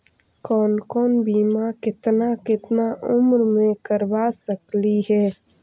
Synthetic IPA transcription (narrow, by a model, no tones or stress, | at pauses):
kɔːnkɔːnbiːmakɪt̪nakɪt̪naʔʊmɾmẽkəɾbasəkliɦɛː